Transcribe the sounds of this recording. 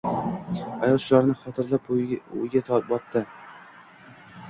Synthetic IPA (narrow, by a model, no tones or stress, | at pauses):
ajɒlˠʃʊlaɾnɪχɒt̪ʰɪɾlapʊ̰jɡʲat̪ʰɒbɒt̪ʰːɪ